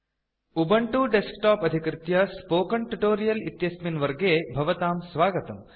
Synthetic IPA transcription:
ubɐɳʈuːɖeskʈaːpɐd̪ʱikɾɪt̪jɐspoːkɐɳʈuʈoːɾijɐlit̪jɐsminʋɐɾɡeːbʱɐʋɐt̪aːmsʋaːɡɐt̪ɐm

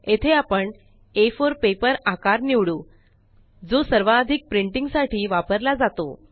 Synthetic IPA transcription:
et̪ʰeapəɳ | efoɾpepəɾakaɾniʋɽuː | d͡zosəɾʋaːd̪ʱik̚pɾiɳʈiŋɡsaʈiːʋapəɾlad͡zat̪o̰

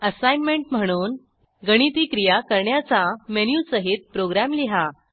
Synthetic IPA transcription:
əsajnmeɳʈm̤əɽ̃uːn | ɡəɽ̃it̪iːkɾijakəɾɳjat͡samenjusəɦit̪̚pɾoɡɾamliɦa

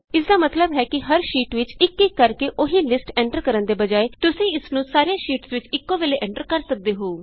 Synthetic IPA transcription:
ɪsd̪aːmət̪ləbɦɛːkɪɦəɾʃiːʈʋɪt͡ʃɪkːɪkːəɾkeːʔoɦĩːlɪsʈɛ̃ːɳʈəɾkəɾənd̪eːbəd͡ʒaːeːt̪ʊsĩːɪsnũːsaːɾejãːʃiːʈsʋɪt͡ʃɪkːõːʋeːleːʔɛ̃ːɳʈəɾkəɾsək̚d̪eːɦoː

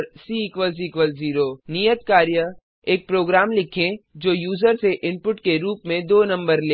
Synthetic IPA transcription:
ɾsiːkʋəls̬iːkʋəlziːɾoːnijət̪kaːɾjə | eːk̚pɾoːɡɾaːmlɪkʰẽd͡ʒoːjuːzəɾseʔɪ̃mpʊʈkeɾuːpmẽd̪oːnɐ̃mbəɾleː

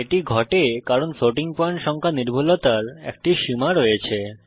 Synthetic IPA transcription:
eʈiɡʱɔʈekaɾonsoʈiŋpoaɳʈʃɔŋkʰaniɾbʱulot̪aɾɛ̰k̚ʈiʃimaɾojet͡ɕʰe

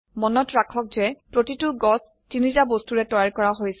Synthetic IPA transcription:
mɔnɔtɹakʰɔk̚zɛpɹotitʊɡɔs | tinizabostuɹɛtɔɹaɹkɔɹaɦojsɛ

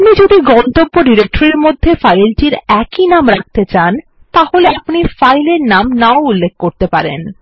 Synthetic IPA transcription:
pnid͡ʑod̪iɡɔnt̪obːoɖiɾek̚ʈoɾeɾmod̪ʱːefajlʈiɾɛkinamɾak̚t̪et͡ɕan | t̪aholeapnifajleɾnamnaoulːek̚koɾt̪epaɾḛn

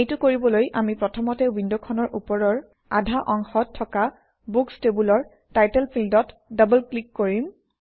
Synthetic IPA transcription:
ejtʊkoɹibɔlojʔamipɹɔtʰɔmɔtɛwindɔkʰɔnɔɹʔupɔɹɔɹ | a̰dʱaʔɔŋxɔtʰːɔka | bukstebulɔɹ | tajtɛlpʰildɔt | dabəlklikːoɹim

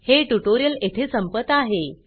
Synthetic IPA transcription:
heʈuʈoɾijəlet̪ʰesəmpət̪ːaɦe

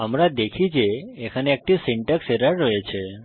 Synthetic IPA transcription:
əmɾad̪ekʰid͡ʒeekʰəneɛk̚ʈisiɳʈəkseɾaɾəet͡ʃʰe

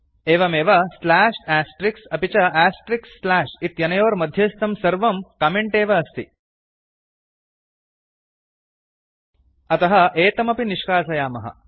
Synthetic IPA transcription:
eːʋɐmeːʋɐslæːʂæːsʈɾiksɐpit͡ɕɐæːsʈɾiksːlæːʂit̪jɐnɐjoːɾmɐd̪ʱjɐst̪ɐmsɐɾʋɐmkɐmeɳʈeːʋɐːst̪i | ɐt̪ɐɦɐʔeːt̪ɐmɐpiniʃkaːsɐjaːmɐɦɐ̰

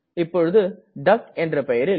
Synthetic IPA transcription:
ɪpːɔɻɯðɯ | ɖɐkɛndrɐpɛjɐɾɪ

